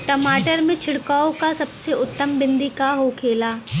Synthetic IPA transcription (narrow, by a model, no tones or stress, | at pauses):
ʈɐmaːʈəɾmẽt͡ʃʰɪɽkaːõkasɐbseʊt̪ːəmbɪ̃nd̪ʱikaɦokʰeːlaː